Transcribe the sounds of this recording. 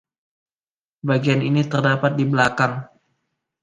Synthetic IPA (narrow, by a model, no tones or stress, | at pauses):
baɡianinit̪ərdapat̪̚dibəlakaŋ